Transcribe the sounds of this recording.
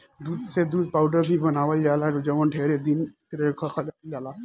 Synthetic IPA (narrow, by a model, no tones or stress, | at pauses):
d̪uːd̪sed̪uːd̪̚paːʊɖəɾbʱibənaːʋəld͡ʒaːlaod͡ʒɐʋənʈʰeːɾed̪ɪnsɪɾekʰəkʰad͡ʒald͡ʒaːla